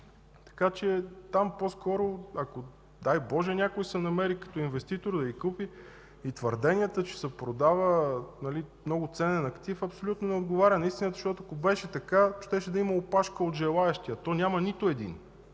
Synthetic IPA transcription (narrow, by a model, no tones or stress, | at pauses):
t̪ɐ̥kat͡ʃɛt̪amposkɔɾoɐko | d̪ajbɔʒɛnʲakojsɛnɐmɛɾikɐ̥t̪ɔinvɛst̪it̪oɾd̪ɐikupi | it̪vəɾd̪ɛnijət̪ət͡ʃɛ̥sɛpɾod̪avənɐlimnɔɡʊt̪sɛnɛnɐkt̪ifɐpsolʲut̪nonɛod̪̚ɡovaɾʲənɐist̪inəzɐʃt̪ɔt̪ʊɐkobɛʃɛt̪ɐkaʃt̪ɛʃɛd̪ɐimɐopaʃkəod̪ʒɛlˠaɛʃt̪iɐt̪ɔnʲamɐnit̪ʊɛd̪ḭn